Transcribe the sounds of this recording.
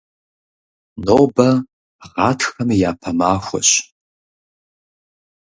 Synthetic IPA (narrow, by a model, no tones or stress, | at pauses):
noːbɐ | ʁɑːtʰxɐmjaːpʰɐmaːxʷɔ̰ɕ